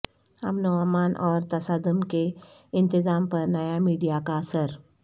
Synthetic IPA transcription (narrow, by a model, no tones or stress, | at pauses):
ɐ̰mnoamaːnʔɔːɾt̪ɐsaːd̪ʊmkeɪ̃nt̪ɪzaːmpɐɾnɐjamiːɖijakaɐsəɾ